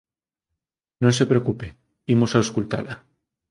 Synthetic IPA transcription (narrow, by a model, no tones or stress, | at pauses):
nõns̬epɾeokupe | imosaoskult̪a̰la